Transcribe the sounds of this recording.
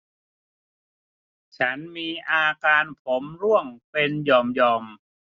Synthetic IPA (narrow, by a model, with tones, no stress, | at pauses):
t͡ɕʰa˦˥nmiː˧ʔaː˧kaː˧npʰo˩˦mɾu˥˩əŋpe˧njɔː˧mjɔː˧m